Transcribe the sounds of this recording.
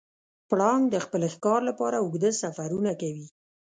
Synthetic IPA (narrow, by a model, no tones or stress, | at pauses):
pɽɑŋɡd̪əxpəlxkɑɾlapɑɾaʊɡd̪əsafaɾunakawi